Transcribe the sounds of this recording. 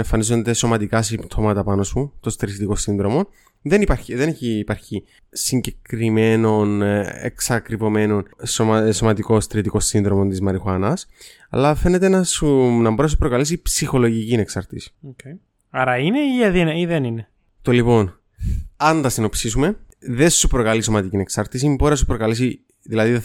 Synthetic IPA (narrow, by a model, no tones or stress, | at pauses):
eɱfɐnizo̞nd̪e̞so̞mɐt̪ikɐsipt̪ʰo̞mɐt̪ɐpɐno̞sut̪o̞st̪ɾist̪iko̞sinðɾo̞mo̞n | ðe̞nipɐɾçiðe̞neçiːpɐɾçi | siɲɟe̞kɾime̞no̞nḛksɐkɾivome̞no̞nsoso̞mɐt̪iko̞st̪ɾit̪iko̞sːinðɾo̞mo̞nt̪izmɐɾixoɐnɐs | ɐ̰lɐfe̞net̪e̞nɐsunɐmboɾiɐsupɾo̞kɐles̬ipsixo̞lo̞ʝicineksɐɾt̪isi̥oe | ɐɾɐineiɐðinɐiðenine | t̪olipo̞n | ɐnd̪ɐsino̞psisume̞ | ðe̞supɾo̞kɐliso̞mɐt̪icine̞ksɐɾt̪is̬imboɾeɐs̬upɾo̞kɐles̬i | ðilɐði